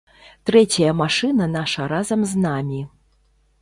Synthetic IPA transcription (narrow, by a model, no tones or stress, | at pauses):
t̪ɾɛt͡sʲɐjɐmaʂɨnɐnaʂɐɾazɐmznamʲi